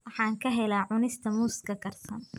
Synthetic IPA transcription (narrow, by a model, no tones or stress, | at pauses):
wɑħɑːŋkʰɐɦɛlaːʕʊnɪst̪ʰɐmuːskʰɐɡɐrsɐn